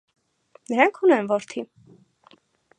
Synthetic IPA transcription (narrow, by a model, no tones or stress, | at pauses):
nəɾɑŋkʰunɛnvɔɾt̪ʰi